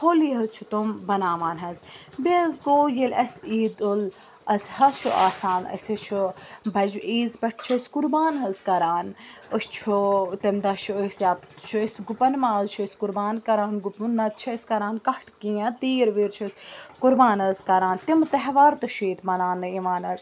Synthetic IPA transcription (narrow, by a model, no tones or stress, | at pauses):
hʰoːliːɦɐzt͡ʃʰut̪umbɐnaːʋaːnɦɐz | bezɡoːjilɐsiːd̪ol | ɐshɐst͡ʃʰuʔaːsaːnɐ̰sʲɐt͡ʃʰubɐd͡ʒiːzpɐʈ̚ʰt͡ʃʰuskuɾbaːnɦɐzkɐɾaːnəst͡ʃʰut̪ɐmd̪ɐt͡ʃʰuəsjaːtt͡ʃʰuɐsɡupɐnmaːzt͡ʃʰuɐsʲkuɾbaːnkɐɾaːnɡupunːɐt̪̚t͡ʃʰiɐsʲkɐɾaːnkɐʈʰkiãt̪iːɾʋiːɾt͡ʃʰusʲkuɾbaːnɐzkɐɾaːnt̪imt̪ɐɦʋaːɾt̪ɐʃʰiːt̪mɐnaːnːɨiːʋaːnɐz